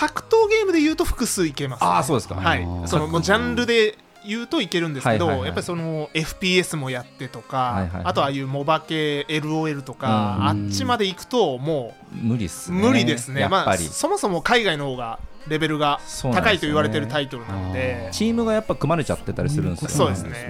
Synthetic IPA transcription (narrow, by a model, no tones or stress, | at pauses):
hakɯ̟̥t̪o̞ːɡe̞ːmɯd̪e̞jɯ̟ːt̪o̞ɸɯ̟̥kɯ̟sɨːike̞masasoːd̪eska̰haḭso̞nomoːʑãnɾɯ̟d̪e̞ | jɯ̟ːt̪o̞ike̞ɾɯ̟̃nd̪esed̪o̞jappːaɾʲiso̞no̞e̞ɸɯ̟̥pʲiːe̞sɨmo̞jat̪ːe̞t̪o̞kaaːt̪o̞aːjɯ̟ːmo̞bake̞ːɾɯ̟oːe̞ɾɯ̟t̪o̞kaat͡ɕimad̪e̞ikɯ̟̥t̪o̞mo̞ː | mɯ̟ɾʲḭmɯ̟ɾʲid̪e̞sɨne̞maɾʲḭso̞mo̞so̞mo̞kaiɡaino̞ho̞ːɡa | ɾe̞be̞ɾɯ̟ɡasot̪akait̪o̞iβaɾe̞t̪e̞ɾɯ̟t̪ait̪o̞ɾɯ̟nã̰nod̪e̞t͡ɕiːmɯ̟ɡajapːakɯ̟maɾet͡ɕa̰t̪ːet̪ːaɾʲisɨɾɯ̟̃nsso̞ːd̪e̞sɨne